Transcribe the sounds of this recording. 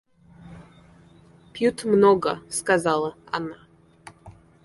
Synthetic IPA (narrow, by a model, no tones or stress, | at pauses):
pʲjut̪mnoɡəskazalˠəa̰na